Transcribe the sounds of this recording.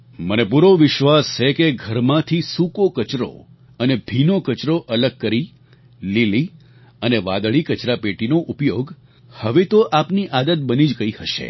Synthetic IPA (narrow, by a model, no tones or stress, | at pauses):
mənepuɾoʋɪʃʋast͡ʃʰekeɡʱəɾmãt̪ʰisukokət͡ʃɾo̰ | ənebʱinokət͡ʃɾoʔələɡ̚kəɾi | lili | əneʋã̰d̪ɭikət͡ʃɾapeʈinoʔupjoɡ | həʋet̪oʔapniʔad̪ət̪̚bənid͡ʒkəihəʃḛ